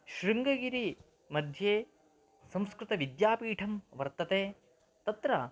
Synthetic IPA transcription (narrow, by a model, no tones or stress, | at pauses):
ʃɾiŋɡɐɡiɾi | mɐd̪ʱjeː | sɐ̃mskɾɪt̪ɐʋid̪jaːpiːʈʰɐmʋɐɾt̪ɐt̪eː | t̪ɐt̪ɾɐ